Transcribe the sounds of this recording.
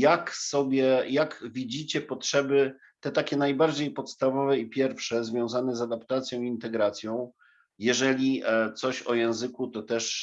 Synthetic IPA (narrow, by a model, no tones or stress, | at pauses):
jaksɔbʲjɛjaɡvʲid͡ʑit͡ɕɛpɔtʂɛbɘ | t̪ɛt̪akʲɛnajbaɾd͡ʑejpɔt̪st̪avɔvɛipʲjɛɾfʂɛzvʲjɔ̃w̃zanɛzad̪apt̪at̪sʲjɔ̃w̃iint̪ɛɡɾat̪sʲjɔ̃w̃ | jɛʐɛlʲit̪sɔɕɔjɛ̃w̃zɘkut̪ɔt̪ɛʂ